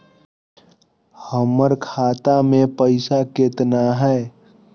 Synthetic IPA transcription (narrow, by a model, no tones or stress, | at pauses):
həməɾkʰaːt̪amẽpəɪsaket̪naɦɛ